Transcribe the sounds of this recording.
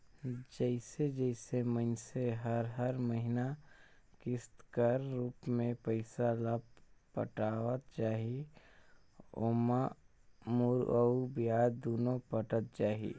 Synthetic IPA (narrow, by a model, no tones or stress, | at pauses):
d͡ʒəɪsed͡ʒəɪsemə̃nseɦəɾɦəɾməɦɪna | kɪst̪kəɾːuːpmẽpəɪsaləbpə̰ʈaːwət̪̚t͡ʃaːɦi | o̰ːma | mʊɾəubijaːd̪oːnõpəʈət̪̚t͡ʃaːɦḭ